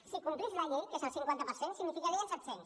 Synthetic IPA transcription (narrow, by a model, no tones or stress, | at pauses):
sikumplizlaʎekezəlˠsiŋkwant̪əpəɾsensiɡnifikaɾiənsɛt̪sens